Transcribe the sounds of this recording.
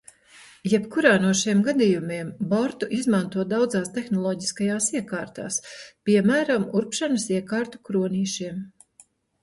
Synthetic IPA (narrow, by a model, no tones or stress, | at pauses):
jɛpkuɾaːnuɔʃiɛmɡad̪ijumiɛmbɔɾt̪uʔizmant̪uɔd̪awd̪zaːst̪exnɔlˠɔːɟi̥skajaːsiɛkaːɾt̪a̰ːspʲiɛmæːɾamuɾpʃanɐsiɛkaːɾt̪u̥kɾuɔniːʃiɛm